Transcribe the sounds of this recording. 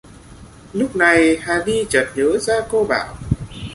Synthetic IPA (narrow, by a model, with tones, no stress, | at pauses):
lʊ˦˥k͡p̚na˨˩jhaː˨˩ɗi˧t͡ɕə˨˩t̚ɲəː˨˦zaː˧ko˧ɓa̰ː˧˩˨w